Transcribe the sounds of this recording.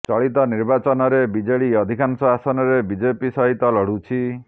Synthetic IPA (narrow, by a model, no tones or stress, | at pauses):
t͡ʃɔɭit̪ɔniɾbat͡ʃɔnɔɾebid͡ʒeɭiɔd̪ʱikansɔasɔnɔɾebid͡ʒepisɔɦit̪ɔlɔɽ̤ut͡ʃʰi